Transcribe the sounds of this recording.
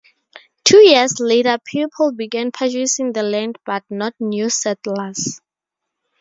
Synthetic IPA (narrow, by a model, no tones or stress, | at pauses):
tʰujiəsletəpʰipʰlbiɡɛ̃npʰad͡ʒisĩŋdəlɛ̃ndbat̚nɔt̚njusɛtlas